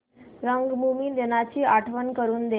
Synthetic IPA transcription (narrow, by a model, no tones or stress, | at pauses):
ɾəŋɡmumiːnd̪enat͡ɕiːaʈʰʋənkəɾuːnd̪e